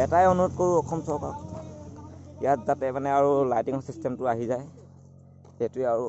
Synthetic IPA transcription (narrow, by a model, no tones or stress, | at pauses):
ɛtajɔnuɔtkoɹuɔkʰɔmsɔɹkɔ̰k | ijatzatɛmanɛaɹulajtiŋɔsistɛmtʊaɦizaj | etuɛaɹu